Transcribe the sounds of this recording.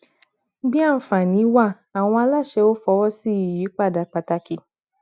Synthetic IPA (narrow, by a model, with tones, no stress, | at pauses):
bi˦a˦˨fã˨nĩ˨˦wa˦˨ | a˨w̃ɔ̃˧a˧la˦˨ʃɛ˧o˦fɔ˧˦wɔ˦si˦i˨ji˨˦k͡pa˦˨da˨˧˨k͡pa˧ta˧ki˧